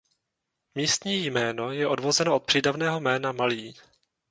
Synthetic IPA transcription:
miːst̪ɲiːjmɛːno̞jɛʔo̞dvo̞zɛnoʔot̪̚pr̥iːdavnɛːɦo̞mɛːnamaliː

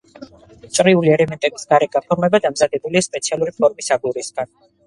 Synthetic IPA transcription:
t͡ʃ̪ʼɾiuliɛlɛmɛnt̪ʼɛbisɡ̥aɾɛɡapʰɔɾmɛbad̪amzad̪ɛbuliaspʼɛt̪sʰialˠuɾipʰɔɾmisaɡuɾisɡ̥an

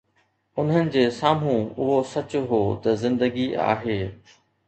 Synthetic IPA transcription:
ʊn̤ənɪ̆d͡ʑeːsaːm̤ũʊɦosɐt͡ɕʊɦoːt̪ɐzɪ̃nd̪əɡia̰ːɦeː

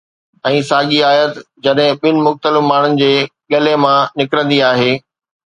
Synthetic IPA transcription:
ɛ̃ːsaːɠiaːijət̪ | d͡ʑɐɗɦɪ̃ɓɪnɪ̆mʊxt̪əlɪfmaːɳ̤ʊnɪ̆d͡ʑeːɠɐlemãnɪkɾə̃nd̪iaːɦeː

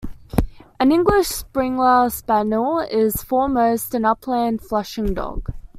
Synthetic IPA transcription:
ʔə̃nɪ̃ŋɡlɪʃspɹɪ̃ŋlaɪspænəlˠɪz̥fɔːməʊstə̃nʌpʰlæ̃ːnd̥flʌʃɪ̃ŋdɔ̰ɡ̥

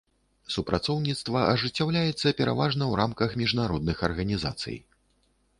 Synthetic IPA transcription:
supɾʔat̪sɔwnʲit̪st̪vɐʔɐʐɨt͡sʲːawlʲajɛt̪sːɐpʲɛɾa̰vaʐnɐwɾʔamkɐxmʲiʐnaɾɔd̪nɨxɐrɣɐnʲiza̰t̪sɨ̰j

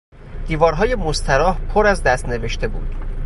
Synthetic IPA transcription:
d̪̥iːvɒːɾɦɒːje̞most̪ʰæɾɒːhpʰoɾæzd̪æst̪ne̞ve̞ʃt̪ʰe̞bṵːd̪̥

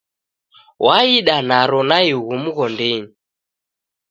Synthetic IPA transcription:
waiɗanaɾɔnaiɣum̩ɣɔndeɲi

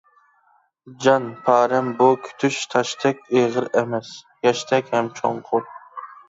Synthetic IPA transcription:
d͡ʒɑnpʰɑːɾɛmbʊkʲʰy̥t̪ʰyʃt̪ʰɑʃt̪ʰɛkʲeʁɨɾɛmɛs | jɛʃt̪ʰɛkʲhɛmt͡ʃʰoŋqʰʊɾ

